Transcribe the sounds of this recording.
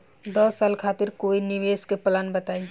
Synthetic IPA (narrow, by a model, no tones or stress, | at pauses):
d̪əsːaːlkʰat̪iɾkoiniʋeskepəlanbət̪ai